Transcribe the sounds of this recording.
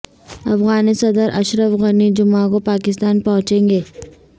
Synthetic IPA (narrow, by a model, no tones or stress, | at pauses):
ɐfɣaːnesɐd̪əɾʔɐʃɾəfɣənid͡ʒʊmaːɡopaːkɪs̬t̪aːnpɐɦʊ̃t͡ʃẽːŋɡeː